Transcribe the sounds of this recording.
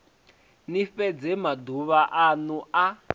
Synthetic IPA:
nifɛd͡zɛmaduβaʔanua

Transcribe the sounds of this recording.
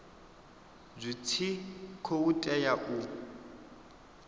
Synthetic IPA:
zʷit͡sʰikʰoutʼɛjaʔu

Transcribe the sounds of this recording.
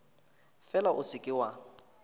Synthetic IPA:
fɛlaʔʊsɪkʼɪwa

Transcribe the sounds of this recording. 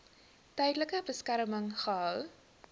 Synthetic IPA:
tɛjdələkəbəskæɾəməŋχəɦœw

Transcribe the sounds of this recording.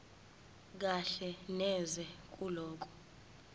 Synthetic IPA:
k̬aɬɛnɛzɛk̬ʼulɔːk̬ʼɔ̥

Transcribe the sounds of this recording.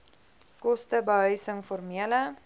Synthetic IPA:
kɔstəbəɦœɥsəŋfɔrmiələ

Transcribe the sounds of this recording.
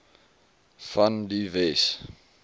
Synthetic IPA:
fandivɛs

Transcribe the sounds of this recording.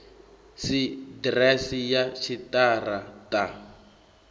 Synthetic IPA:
sidrɛsijat͡ʃʰitʼaratʼa

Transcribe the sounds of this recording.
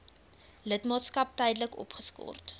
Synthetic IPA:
lətmɑːtskɐp̚tɛjdələkɔ̰pχəskɔ̰rt

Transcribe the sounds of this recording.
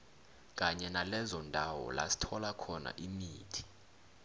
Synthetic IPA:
k̬ʼaɲɛnalɛzɔndʱawɔ̰la̰si̥tʰɔlakʰɔna̰ʔimiːtʰi̥

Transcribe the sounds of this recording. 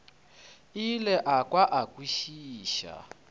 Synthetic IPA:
ilɛʔakwaʔakʼwiʃiːʃa̰

